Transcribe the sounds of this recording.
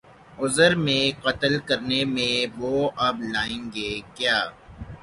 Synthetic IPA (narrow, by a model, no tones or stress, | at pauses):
ʊzəɾmẽqɐt̪əlkɐɾnemẽʋoːɐblaːẽːŋɡeːkjaː